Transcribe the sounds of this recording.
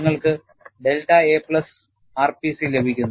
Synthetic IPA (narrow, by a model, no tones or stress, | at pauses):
ŋːɐɭkɨ | ɖe̞lʈːɐeːpɭɐs | aːrpisilːebʱikʲːunː